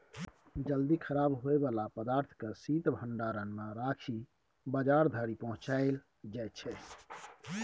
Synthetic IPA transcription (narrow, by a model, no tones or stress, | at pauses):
d͡ʒəld̪ikʰəɾabɦoebalapəd̪aɾt̪ʰkəsit̪bʱəɳɖaɾənmeɾakʰi | bəd͡ʒaɾd̪ʱəɾipəɦʊ̃t͡ʃaɪl | d͡ʒajt͡ʃʰɛ